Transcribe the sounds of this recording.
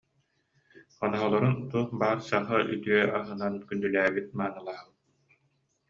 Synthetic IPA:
χɔnɔɦɔlˠɔɾunt̪uχbaːɾsaχɯʔy̰t̪yœʔaɦɯnankynd̪ylæːbit̪̚maːnɯlˠaːbɯ

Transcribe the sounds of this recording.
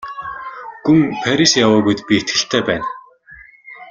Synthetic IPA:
ɡ̥umpʰæɾʲisjawʊːɣujt̪pʲiet̪ɡɘ̆ɬt̪ʰeːpæːn

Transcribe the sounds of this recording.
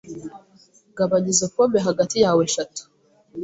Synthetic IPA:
ɡaβaɲizekomeɦaɡatijaːweʃatu̥

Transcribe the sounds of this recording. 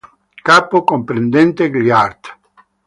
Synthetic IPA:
kapokompɾend̪ɛnt̪eɡliaɾd̪

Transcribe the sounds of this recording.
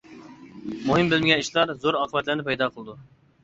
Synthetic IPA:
muɦɨmbɪlmɪɡʲɛniʃlˠɑɾzoɾɑːqʰəbɛt̪læɾnɪpɛjd̪ɑqʰəlˠɨd̪u

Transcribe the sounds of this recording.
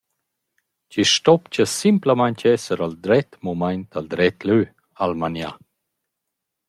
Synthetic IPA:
ciʃtɔpt͡ɕəsimpləmajɲcɛsəɾald̪ɾɛt̪mumajnt̪ald̪ɾɛt̪lø | almanja̰

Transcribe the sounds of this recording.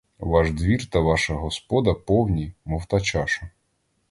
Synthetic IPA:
ʋɑʒd̪ʋʲirt̪ɐʋɑʃɐɦɔspɔd̪ɐpɔwnʲimɔwt̪ɐt͡ʃɑʃɐ

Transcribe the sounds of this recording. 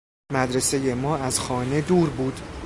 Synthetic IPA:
mæd̪ɾe̞se̞je̞mɒːæzxɒːne̞d̪uːɾbuːd̪

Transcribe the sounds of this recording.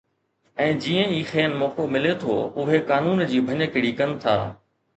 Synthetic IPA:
ɛ̃ːd͡ʑiːə̃iːxeːnmɔːkomɪlet̪ʰo̰ːʊɦekaːnuːnd͡ʑiːbʱɐɲəkɪɽiːkɐnɪ̆t̪ʰa̰ː

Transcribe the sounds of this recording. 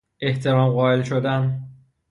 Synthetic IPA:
e̞ht̪ʰe̞ɾɒːmɢɒːe̞lʃod̪æn

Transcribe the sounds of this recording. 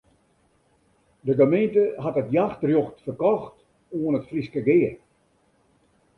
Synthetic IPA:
dəɡəmentəɦatətjaxtrjoxtfərkɔxt | uənətfriskəɡɪər

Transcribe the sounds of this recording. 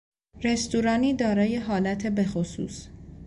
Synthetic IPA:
ɾe̞st̪uɾɒːniːd̪ɒːɾɒːje̞ɦɒːlæt̪ʰe̞be̞xosṵːs

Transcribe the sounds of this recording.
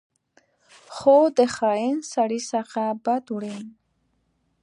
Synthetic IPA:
χoːd̪eχaensaɾisaqabad̪uɾen

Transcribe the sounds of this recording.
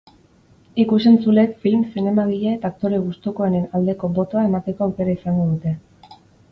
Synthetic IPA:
ikus̬e̞nt͡sule̞kfilmsine̞maɣiʎaet̪aːk̚t̪o̞ɾeɣust̪uko̞ene̞nald̪e̞ko̞bo̞t̪o̞ae̞mat̪e̞ko̞awke̞ɾaisaŋɡo̞ðut̪e̞

